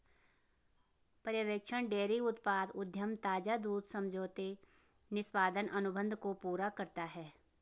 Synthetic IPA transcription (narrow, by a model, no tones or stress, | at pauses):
pəɾjəʋeːkt͡ʃʰəɳ̃ɖeːɾiʊt̪paːd̪ʊd̪ʱjəmt̪aːd͡ʒad̪uːd̪sɐ̃md͡ʒʱoːt̪e | nɪswaːd̪ənʔɐnʊbə̃nd̪ʱkopuːɾakəɾt̪aɦɛː